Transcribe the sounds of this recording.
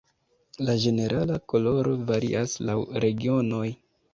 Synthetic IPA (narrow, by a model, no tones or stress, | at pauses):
lad͡ʒe̞ne̞ɾʔalako̞lo̞ɾo̞vaɾḭʔaslawɾe̞ɡio̞no̞j